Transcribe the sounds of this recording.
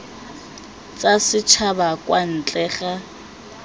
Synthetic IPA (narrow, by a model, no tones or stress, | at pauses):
t͡sʼasɪt͡ʃʰabakʼwan̩t͡ɬʼɛːχa